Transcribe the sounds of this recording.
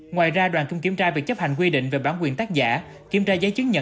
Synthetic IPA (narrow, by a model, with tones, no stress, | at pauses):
ŋwaː˨˩jzaː˧ɗwaː˨˩nki˧wŋ͡mki˧˩əmt͡ɕaː˧vi˨˩ək̚t͡ɕə˦˥p̚ha˨˩jŋ̟k̬wi˧ɗḭ̈˧˨ŋ̟ve˨˩ɓaː˧˩nkwi˨˩ənt̪aː˦˥k̚za̰ː˧˥ | ki˧˩ət͡ɕaː˧zəː˨˦jt͡ɕɨ˦˥k̚ɲə̰˧˨